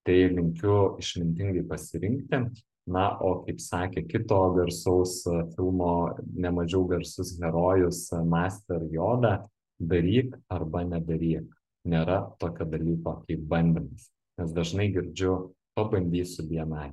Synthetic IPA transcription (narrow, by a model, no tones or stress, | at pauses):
t̪ɐɪlʲɪŋʲkʲʊɪʃʲmʲɪnʲt̪ʲɪŋɡɐɪpɐsʲɪɾʲɪŋk̚t̪ʲɪ | nɐʔoːkɐɪpsɑːkʲeːkʲɪt̪oːɡʲɛɾsɐʊsfʲɪlˠmoːnʲɛmɐʒʲɛʊɡʲɛɾsʊsɣʲɛɾoːjʊsmɑːsʲt̪ʲɛɾjoːd̪ɑ | d̪ɐɾʲiːkɐrbɐnʲɛd̪ɐɾʲiːk | nʲeːɾɐt̪oːkʲoːd̪ɐlʲiːkoːkɐɪp̚bɐnʲd̪ʲɪmɐs | nʲɛsd̪ɐʒnɐɪɡʲɪɾʲd͡ʒʲʊpɐbɐnʲd̪ʲiːsʊbʲiɛnɑɪ